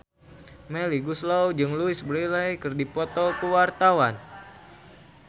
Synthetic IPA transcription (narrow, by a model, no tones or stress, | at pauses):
mɛliɡuslawd͡ʒɨŋluɪsbəɾilajkɨrdipɔt̪ɔkuwart̪awan